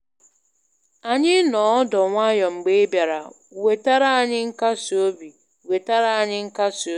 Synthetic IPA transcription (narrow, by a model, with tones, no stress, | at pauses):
a˨ɲɪ˦nɔ˨ɔ˦dɔ˨ŋʷa˦jɔ˨ŋ͡m̩˨ɡ͡be˦e˦bja˨ɾa˨ | we˨ta˦ɾa˦a˨ɲɪ˦ŋ̩˦ka˦so˦bi˨ | we˨ta˦ɾa˨a˨ɲɪ˦ŋ̩˦ka˦so˨˦